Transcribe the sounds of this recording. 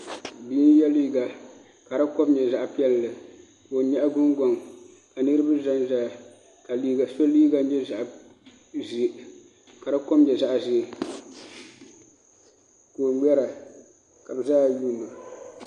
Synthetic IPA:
bi˦n˦jɛ˦liː˦ɡa˨ | ka˨ɾa˦ko˦bɲɛ˨za˦ʔpi˦ɛ˦llɨ˨ | ko˨ɲɛ˦ʔɡʊ˦nɡa˨ŋ | ka˨nɨ˦ɾɨ˦bɨ˦za˦nza˦˨ | ka˨li˦ɡa˨so˦liː˦ɡa˦n˦ɲɛ˦za˨ʔ | zi˦ | ka˨ɾa˦ko˦mɲɛ˨za˦ʔzi˦˨ | ko˨ɡ͡bɛ˦ɾa˨ | ka˨bɨ˨zaː˦˨juː˦nːa˨

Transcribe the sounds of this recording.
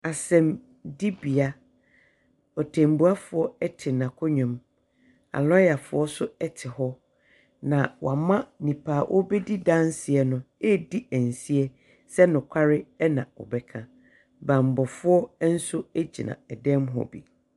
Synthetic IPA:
a˨sɛ̃˨m | di˦bi˨a˦ | ɔ˨tʰɛ̃˨m˨bu˦a˦fʊ˨ɔ˦ɛ˦tʰɪ˨nã˨kʰɔ˦ɲᶣɔ̃˨m | a̰˨lɔ˦ja˨fʊ̰˦ɔ˦sʊ˦ɛ˦tʰɪ˨hɔ˦ | nã˨wa˨mã˦nĩ˨pʰaː˨ʔɔ̰˦bɛ˦di˦dã˦n˦sɪ˨ɛ˨nʊ̃˦ɛ˦di˦æ̃˨n˨si˦ɛ˦ | sɛ˦nʊ̃˨kʷʰa˦ɾɪ˦ɛ˦nã̰˨ɔ̰˨bɛ˦kʰã˨ | bã˨m˨bɔ˨fʊ˦ɔ˦n̩˦sʊ˦æ˦d͡ʑi˨nã̰˨ɛ˨dɛ̃˦mɦɔ̰˨bḭ˨

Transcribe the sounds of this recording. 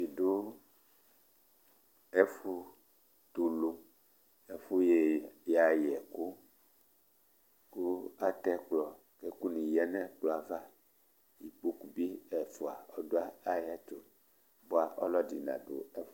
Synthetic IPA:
i˨do˦ | ɛ˦fu˦ | t̪u˨lu˦ | ɛ˨fu˦je˨ja˨jɛ˨ku˦ | ku˦a˦t̪ɛ˦k͡plɔ˨ | ke˦ku˦nĩ˨jɛ˦nɛ̃˦k͡plɔ˨a˨va˦ | ji˨k͡pu˦ku˨bi˦ɛ˨fo˨a˨ɔ˦do˦a˦a˦ja˦t͡ʃo˨ | bo˦a˨ʔɔ̰˦lɔ˦di˨nã̰˨do̰˨ɛ˦f

